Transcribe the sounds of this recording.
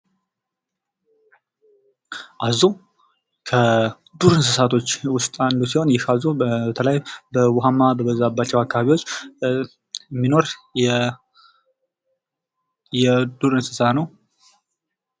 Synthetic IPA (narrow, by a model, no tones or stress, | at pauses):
ʔazu | kʰə | d̪uɾɨnsɨsat̪ʰo̞t͡ʃːwʊst̪ʼand̪usiho̞njɪhazubət̪ʰələjbəwɔɦamːabəbəzabat͡ʃːɛwakːaβaβiwot͡ʃː | mːino̞ɾ | jɛd̪uɾɨnsɨ̥sanəw